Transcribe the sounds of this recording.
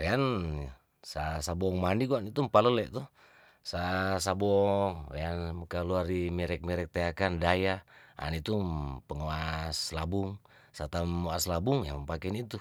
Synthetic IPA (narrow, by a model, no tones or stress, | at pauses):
wɛan | sasabɔŋmaniɡuanit̪umpaləlɛʔt̪uh | sasabɔŋwɛ̰anmkaluarimɛɾɛk̚mɛɾɛk̚t̪eakandajaa̰nit̪upəŋoaslabuŋ | sat̪amaslabuŋja̰mpakɛnit̪u